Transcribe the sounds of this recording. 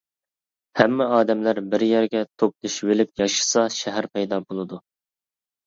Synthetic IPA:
hæmːɛɑːd̪ɛmlæɾbɪɾjæɾɡʲɛt̪ʰop̚d̪iʃvelɪpjɑʃɨ̥sɑʃæɦæɾpʰɛjd̪ɑbolˠɨd̪u

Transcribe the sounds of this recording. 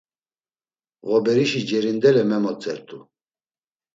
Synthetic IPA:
ɣɔbɛɾiʃid͡ʒɛɾind̪ɛlɛmɛmɔt͡sʼɛɾt̪ʰʼu

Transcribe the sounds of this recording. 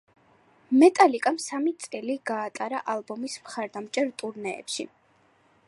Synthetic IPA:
mɛt̪ʼalikʼamsamit̪sʼɛliɡ̥aːt̪ʼaɾa̰ʔalˠbɔmismχaɾd̪amt͡ʃʼɛɾt̪ʼuɾnɛ̰ːpʃḭ

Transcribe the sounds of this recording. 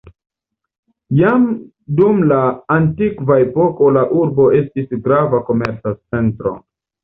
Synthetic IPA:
jam | dumlaːntikvaepo̞ko̞laʔuɾbo̞e̞stisɡɾavako̞me̞ɾt͡satt͡se̞ntɾo̞̰

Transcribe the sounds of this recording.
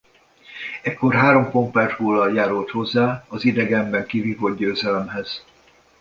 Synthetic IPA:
ɛkːo̞rɦaːɾo̞mpo̞mpɛrt̪hoːlɒljaːɾult̪ho̞zːaːɒzid̪ɛɡɛmbɛŋkiviːvod̪̚ɟøːzɛlɛmɦɛz̥

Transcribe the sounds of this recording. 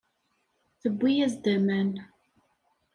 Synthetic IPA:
θəbːijæzd̪əmæn

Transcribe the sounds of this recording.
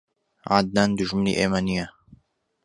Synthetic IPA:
ʕa̰d̪̚naːnd̪uʒmɨnḭʔemanijɐ

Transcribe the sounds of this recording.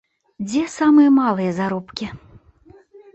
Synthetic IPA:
d͡zʲɛsamɨjɐmalˠɨjɐzaɾɔpkʲi

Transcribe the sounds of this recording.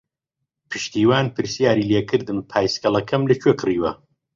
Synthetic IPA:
pʰɨʃt̪iːwaːnpʰɨɾsijaːɾiːleːkʰɨɾd̪ɨmpʰaːjskɐlˠɐkʰɐmlɐt͡ʃʰweːkʰɨriːwɐ

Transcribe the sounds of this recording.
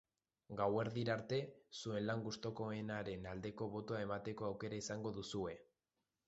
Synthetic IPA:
ɡawe̞ɾðiɾaɾt̪e̞sue̞nlaŋɡust̪o̞ko̞enaɾe̞nald̪e̞ko̞βo̞t̪oae̞mat̪e̞ko̞awke̞ɾaisaŋɡo̞ðusue̞

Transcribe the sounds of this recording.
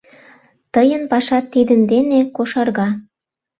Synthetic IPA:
t̪əjənpɑʃɑt̪ːid̪ə̆nd̪enekoʃɑrɣɑ

